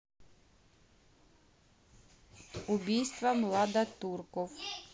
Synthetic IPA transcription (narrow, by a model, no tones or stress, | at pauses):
ʊbʲijst̪ʋɐmlˠɑd̪ɐt̪urkɔw